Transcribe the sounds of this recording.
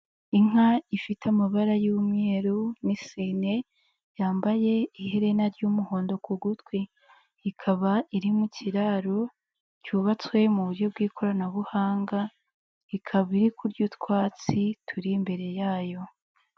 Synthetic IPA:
iŋ̥aifitamaβaɾajumŋeːɾunisine̞ | jaːmbaje̞ihe̞ɾe̞naɾɟuːmuho̞ːndo̞kuɡutwe | ikʰaβaiɾimucʰiɾaːɾo | cuːβat͡swe̞muβuɾɟo̞b̚ɡiːkʰo̞ɾanaβuhaːŋɡa | ikʰaβiɾikʰuɾɟutwaːt͡sitʰuɾimbe̞ɾe̞jaːjo̞

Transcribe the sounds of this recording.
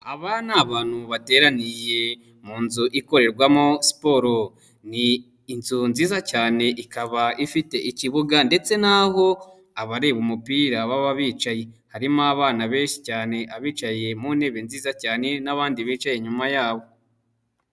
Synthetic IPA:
aβanaβaːnhuβate̞ːɾanije̞ | muːnzuʔiko̞ɾe̞ɾɡwamo̞si̥poɾo | niː | nzunziːzacaːne̞ʔikaβaʔifite̞ʔiciβuɡande̞t͡se̞naɦo̞ | aβaɾeβumupiɾaβaβaβiːt͡ʃaje̞haɾimaβaːnaβe̞ːnʃi̥caːne̞ʔaβiːt͡ʃaje̞mune̞βenziːzacaːne̞naβaːndiβiːt͡ʃaje̞ɲumajaːβo̞

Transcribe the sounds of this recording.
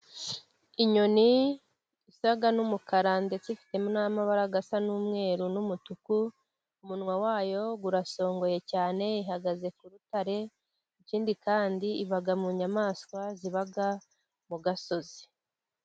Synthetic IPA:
iɲo̞ni | isaɡanumukaɾande̞t͡sifi̥te̞munaːmaβaɾaɡasanuːmŋe̞ːɾunumutuku | umunŋwawaːjo̞ɡuɾaso̞ːŋɡo̞je̞caːne̞iɦaɡaze̞kuɾutaɾe̞ | iciːndikaːndiiβaɡamuɲamaːskwaziβaɡa | muɡaso̞zi

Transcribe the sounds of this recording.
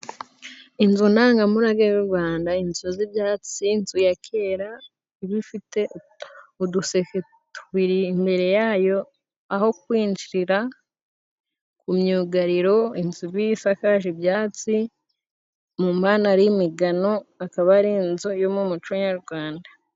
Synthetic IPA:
inzunaːŋɡamuɾaɡejuɾɡwaːndainzuzibjaːt͡sinzujakʰe̞ːɾa | iβifite̞ | uduseke | tʰuβiɾiːmbe̞ɾe̞jaːjo̞ | aho̞kwiːnd͡ʒiɾiɾa | kumɲuːɡaɾiɾo̞inzuβifakaʃibjaːt͡si | mumaːnaɾimiɡano̞akaβaɾinzujomumut͡ʃuɲaɾɡwaːnda

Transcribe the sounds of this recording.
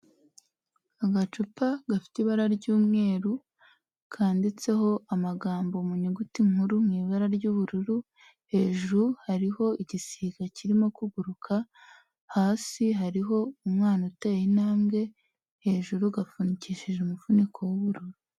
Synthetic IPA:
aɡat͡ʃupaɡafi̥tiβaɾaɾɟuːmŋe̞ːɾu | kʰaːndit͡se̞ho̞ʔamaɡaːmbo̞muɲeɡutiŋ̥uɾumŋiːβaɾaɾɟuβuɾuɾu | he̞ʒuɾuhaɾiho̞iɟisiːɡaciɾimo̞kuɡuɾukʰa | haːsiɦaɾiɦo̞umŋaːnautejinaːmɡe̞ | he̞ːʒuɾuɡafuniciʃiʒeumufunikʰo̞wuβuɾuɾu

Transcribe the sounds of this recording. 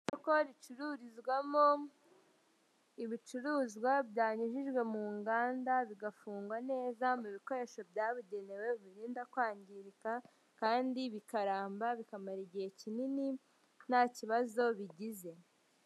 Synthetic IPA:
oko̞ɾit͡ʃuɾuɾizɡwamo | iβit͡ʃuɾuːzɡwabjaːɲiʒiʒɡwe̞muːŋɡaːndaβiɡafuːŋɡwane̞ːzamuβiko̞ɾe̞ːʃo̞bjaːβuɟe̞newe̞βiɾiːndakwaːɲɟiɾika | kaːndiβikaɾaːmbaβikamaɾeɟiecinini | naciβazo̞βiɟize̞

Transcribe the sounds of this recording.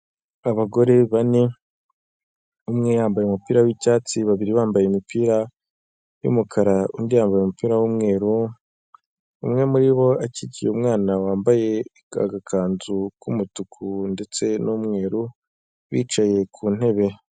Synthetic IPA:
aβaɡo̞ɾe̞βane | umŋe̞jaːmbajemupiːɾawicaːt͡siβaβiɾiβaːmbajeumipiːɾa | jṵmukʰaɾaundijaːmbajumupiːɾawumŋe̞ːɾu | ṵmŋe̞muɾiβo̞aciɟijeumŋaːnawaːmbaje̞ | a̰ɡakʰaːnzukumutukʰunde̞t͡se̞numŋe̞ːɾu | βḭːt͡ʃaje̞kʰuːn̥he̞βe̞

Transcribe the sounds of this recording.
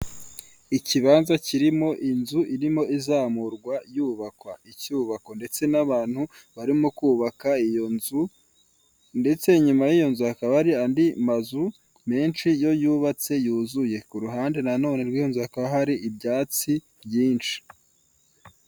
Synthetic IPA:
iciβaːnzaciɾimo̞ʔinzuʔiɾimo̞izaːmuɾɡwajuːβakwaicuːβako̞nde̞t͡se̞naβaːn̥hu | βaɾimokuːβakaijonzu | nde̞t͡se̞ɲumajijo̞nzuakaβaɾiandimazu | me̞ːnt͡ʃijo̞juːβat͡se̞juːzuje̞kuɾuɦaːnde̞nano̞ːne̞ɾɡwiːjo̞nzuhakaβaɦaɾiibɟaːt͡si | bjiːnt͡ʃi̥

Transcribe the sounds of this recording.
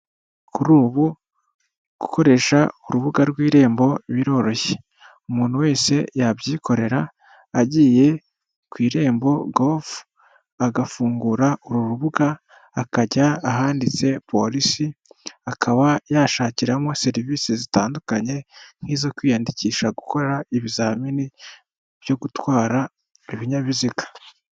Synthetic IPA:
kuɾuːβu | ɡ̥uko̞ɾe̞ʃauɾuβuɡaɾɡwiːɾe̞ːmbo̞βiɾo̞ɾo̞çe | umuːn̥huwe̞ːse̞jabjiːko̞ɾe̞ɾaː | ɟiːje̞ | kwiːɾe̞ːmbo̞ɡolf | aɡafuːŋɡuɾauɾuɾuβuɡaː | kaɟaːɦaːndit͡se̞pʰo̞ɾisiakʰaβajaʃaːciɾamo̞se̞ɾiviːsizitaːndukaɲe̞n̥hiːzo̞kwiːjandiciːʃaɡuko̞eɾaiβizaːmini | b̥jo̞ɡutwaːɾa | iβiɲaβizikḁ

